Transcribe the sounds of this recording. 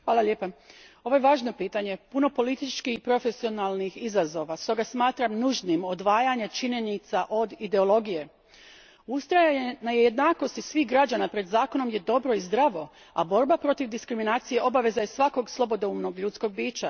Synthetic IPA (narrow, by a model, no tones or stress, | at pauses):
xʋaːlalʎjeːpao̞ʋo̞jeʋaːʒno̞piːt̪aɲe̞puno̞po̞lit̪it͡ʃkihipɾo̞fe̞sio̞nalˠnixizazo̞ʋast̪o̞ɡasmaːt̪ɾamnuʒnimo̞d̪ʋaːjaɲet͡ʃiɲe̞nit̪saʔo̞d̪id̪e̞o̞lˠo̞ɡije̞ | ust̪ɾajnajeje̞d̪naːko̞st̪isʋiːɦɡɾad͡ʒanapɾe̞d̪zaːko̞no̞mje̞d̪o̞bɾo̞izd̪ɾaʋo̞ | a̰bo̞ɾbapɾo̞t̪iʋd̪iskɾiminaːt̪sije̞ʔo̞baʋe̞zajesʋako̞ɡslˠo̞bo̞d̪oumno̞ɡʎut̪sko̞ɡ̚biːt͡ʃa